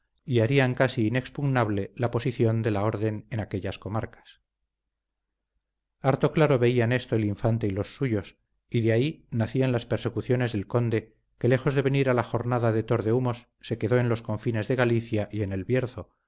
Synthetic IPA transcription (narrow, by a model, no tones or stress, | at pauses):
iaɾiaŋkasiːne̞kspuɣnaβle̞lapo̞siθjo̞nd̪e̞lao̞ɾðe̞nenake̞ʎasko̞maɾkḁs | aɾt̪o̞klaɾoβe̞iane̞st̪oeliɱfant̪e̞ilo̞sːuʝo̞s | iðeainaθianlaspe̞ɾse̞kuθjo̞ne̞zðe̞lko̞nd̪e̞ | ke̞le̞xo̞zðe̞βeniɾalaxo̞ɾnaðaðe̞t̪o̞ɾðe̞umo̞sːe̞ke̞ðo̞e̞nlo̞sko̞ɱfine̞zðe̞ɣaliθjaʔie̞ne̞lβje̞ɾθo̞